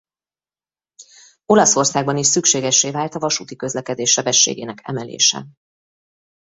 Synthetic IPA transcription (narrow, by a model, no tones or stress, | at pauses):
o̞lɒso̞rsaːɡ̚bɒniʃsykʃeːɡɛʃːeːvaːlt̪ɒvɒʃut̪ikø̞zlɛkɛd̪eːʃːɛbɛʃːḛːɡeːnɛkʰɛ̰mɛlḛːʃɛ̰